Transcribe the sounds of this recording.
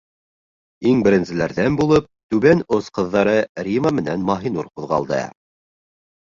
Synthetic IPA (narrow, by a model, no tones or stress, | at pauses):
iŋbɘ̆ɾɘ̆nsɘ̆læɾðænbulˠɤp̚t̪ʉβænosqɤ̆ðːɑɾɤɾʲiməmɘ̆nænmɑɦinuɾquðʁɑ̰lˠd̪ɤ̰